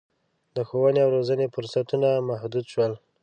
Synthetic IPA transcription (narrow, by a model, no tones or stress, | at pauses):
d̪əxowəneawɾozənefʊɾsat̪unamahd̪ud̪ʃwəl